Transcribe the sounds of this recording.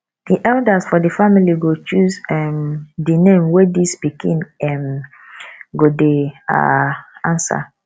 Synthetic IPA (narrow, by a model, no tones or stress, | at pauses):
d̥iʔɛldasfɔdifamiliɡot͡ʃusɛmdinẽmwedispikʰĩnɛm | ɡodea̰ãnsa̰